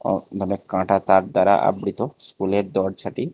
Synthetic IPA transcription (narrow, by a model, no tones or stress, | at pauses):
ɔ̰d̪ʱɔnekkːãʈat̪aɾd̪aɾa̰ʔa̰bɽit̪ɔskuleɾd̪ɔɽt͡ʃʰaʈi